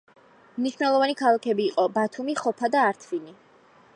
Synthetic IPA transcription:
mniʃvnɛlˠɔvanikʰalˠakʰɛbiːqʼɔbat̪ʰumiχɔpʰad̪aːɾt̪ʰvini

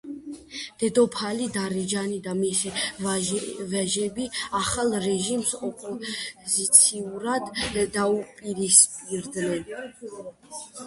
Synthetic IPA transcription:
d̪̥ɛd̪ɔpʰalid̪aɾɛd͡ʒanid̪amisi | vɛʒɛbiaχalˠɾɛʒimsɔpʼɔzit̪sʰiuɾad̪ːaupʼiɾispʼiɾd̪nɛn

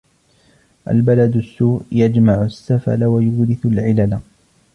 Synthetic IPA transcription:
ʔa̰lbalad̪ʊsːuːʔjad͡ʒmaʕʊsːafa̰lwajuːɾɪθʊlʕɪlala

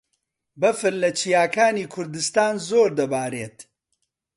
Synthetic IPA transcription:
bɐfɨɾlɐt͡ʃʰijaːkaːniːkʰʊɾd̪ɨst̪aːnzoːɾd̪ɐbaːɾeːt̪

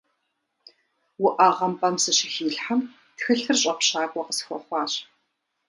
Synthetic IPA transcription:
wʊʔaʁɐmpʼɐmsɨɕɪxiːɬħam | txɨɬɨrɕʼɐpʷɕaːkʷʼɔqəsxʷɔ̰χʷɑːɕ

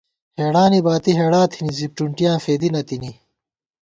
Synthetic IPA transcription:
heːɽaːnibaːt̪iɦeːɽãːt̪ʰinizip̚ʈuɳʈijãːfeːd̪inɐt̪ini

